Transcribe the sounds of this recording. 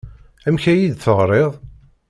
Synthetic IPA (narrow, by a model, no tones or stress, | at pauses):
æmçæjid̪θəʁɾˤeðˤ